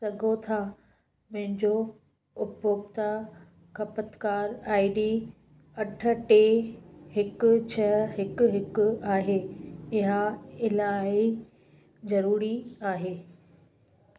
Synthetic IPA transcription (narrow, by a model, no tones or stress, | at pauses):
sɐɡʱot̪ʰa | mɐ̃ɦɪ̃ɲd͡ʑo | ʊpoːpt̪a | kʰɐpət̪kaːɾaːiɖi | ɐʈʰə̆ʈeɦɪkʊ̆t͡ɕʰɐɦɪkʊɦɪkʊaːɦeːɪɦaɪlaːi | zɐɾuːɾiaːɦeː